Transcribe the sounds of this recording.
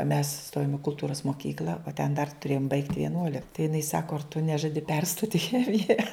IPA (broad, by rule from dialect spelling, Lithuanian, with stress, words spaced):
mʲɛs ˈstoːjoːm ɪ kʊlˠˈtuːrɐs moːˈkʲiːklʲɐ oː tʲɛn dɐr tʊˈrʲeːjoːm bɐɪkt ʋʲiɛˈnuɔlʲɪk tɐɪ jɪˈnɐɪ ˈsɑːkoː ɐr tʊ ˈnʲæːʒɐdʲɪ ˈpʲɛrstoːtʲ ɪ ˈxʲæːmʲɪjɛ